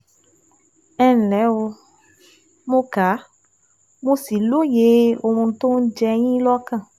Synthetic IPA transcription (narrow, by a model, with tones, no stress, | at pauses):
ɛ˦n̩˨lɛ˨˦wo˧ | mõ˦ka˨˦ | mo˧si˨lo˦je˨˦o˧mũ˧to˦n̩˦d͡ʒɛ˧j̃ĩ˦lɔ˦kã˦˨